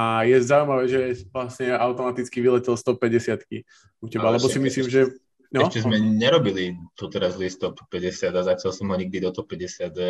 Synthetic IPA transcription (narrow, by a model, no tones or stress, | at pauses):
ajɛzaumaʋɛːʒɛʋlasɲɛaʊt̪ɔmat̪it͡skiʋilɛcilst̪ɔppːɛɟɛsɪat̪ki | ucɛbalɛbɔsimisliːmʒɛ | nɔɛʃt͡ʃɛzmɛɲɛɾɔbilit̪ɔt̪ɛɾazlist̪ɔpːɛɟɛsɪad̪azacalsɔmɦɔɲiɡ̚d̪id̪ɔt̪ɔpɛɟɛsɪat̪